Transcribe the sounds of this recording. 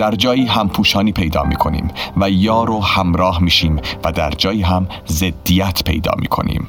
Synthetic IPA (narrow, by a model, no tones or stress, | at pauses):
d̪̥æɾd͡ʒɒːjiːɦæmpʰuːʃɒːniːpʰe̞jd̪ɒ̰ːmḭːkʰo̞nḭːmvæjɒːɾohæmɾɒːhmiːʃiːmvæd̪æɾd͡ʒɒːjiːɦæm | zed̪ːijæt̪ʰpʰe̞̰jd̪ɒ̰ːmḭːkʰo̞̰nḭːm